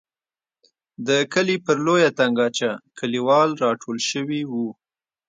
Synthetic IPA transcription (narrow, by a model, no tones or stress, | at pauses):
d̪əkəlipəɾlojat̪aŋɡɑt͡ʃakʰəliwɑlɾɑʈʰolʃəwiwu